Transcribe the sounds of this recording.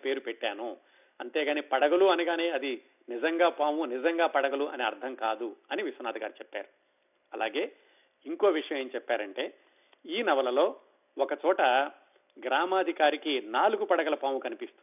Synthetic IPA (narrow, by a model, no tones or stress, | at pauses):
pe̞ːɾupɛʈːaːnu | ɐnt̪e̞ːɡaːnipɐɽɐɡɐluɐnuɡaːne̞ːɐd̪i | nid͡ʒɐŋɡaːpaːmunid͡ʒɐŋɡaːpɐɽɐɡɐluʔɐ̰neːɐɾd̪ʰʱɐŋkaːd̪uɐniʋisɐnaːd̪ʱɐɡaːɾut͡ʃɛpːa̰ːɾu | ɐlʔa̰ːɡe̞ː | iŋkoːʋiʂɐjɐmeːnut͡ʃɛpːaːɾɐɳʈe̞ː | iːnɐʋɐlɐlo̞ː | ɔkɐt͡ʃɔːʈɐ | ɡɾaːmaːd̪ʱikaːɾikinaːluɡupɐɽɐɡɐlɐpaːmukɐnipist̪u